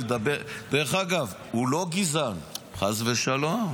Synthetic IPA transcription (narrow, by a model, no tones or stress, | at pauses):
ed̪abed̪eʁeχaɡav | ulo̞ɡizanχazveʃalom